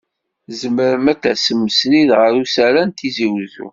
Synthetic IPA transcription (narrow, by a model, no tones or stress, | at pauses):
zəməɾəmætːæsəmːəsniðʁəɾusæɾænt̪iziwðṵ